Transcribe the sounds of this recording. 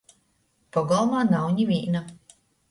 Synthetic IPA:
pɔɡɔlˠmaːnawɲiviːna

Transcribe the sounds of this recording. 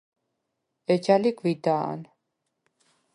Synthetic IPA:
ɛd͡ʒaliɡvid̪aa̰n

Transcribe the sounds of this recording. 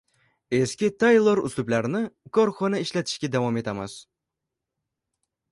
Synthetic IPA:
e̞skʲɪt̪ʰajlˠoɾʊ̰slˠʊblaɾnɪkʰɒɾχɔnaɪʃlat̪ʰɪ̥ʃkʲad̪avɒme̞t̪ʰamɪz̥

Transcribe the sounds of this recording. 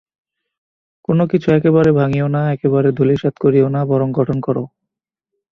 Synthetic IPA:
konokit͡ɕʰuɛkeβaɾebʱaŋionaɛkeβaɾed̪ʱuliʃat̪koɾionabɔɾoŋɡʱɔʈʰonkɔɾo̰

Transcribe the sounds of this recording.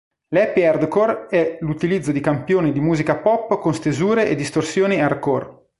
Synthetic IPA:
lɛpːiɛrd̪korɛlut̪ilid̪zːod̪ikampjoːnid̪imuːzikapɔpːkonst̪ezuːɾeʔed̪ːist̪orsjoːniard̪kor

